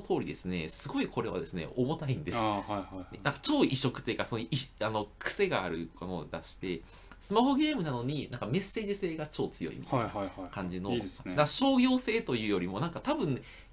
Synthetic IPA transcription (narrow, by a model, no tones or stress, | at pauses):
t̪o̞ːɾid̪e̞sɨne̞̰sɨɡo̞ikʰo̞ɾe̞βa̰d̪esɨnḛʔomo̞t̪aĩnd̪esɨ | nãŋkat͡ɕo̞ːiɕo̞kɯ̟t̪ːojiɯ̟kasonoiano̞kɯ̟̥se̞ɡa̰ːɾɯ̟kono̰d̪a̰ɕi̥t̪e̞ | sɨmaho̞ɡʲe̞ːmɯ̟nano̞ɲ̟inãŋkame̞se̞ːʑise̞ːɡat͡ɕo̞ːt͡sɨjo̞̰ḭmʲḭt̪aaakãɲ̟d͡ʑino̞̰d̪aaɕo̞ːɡʲo̞ːse̞ːt̪o̞jɯ̟ːjo̞ɾʲimo̞nãŋkat̪abɯ̟̃n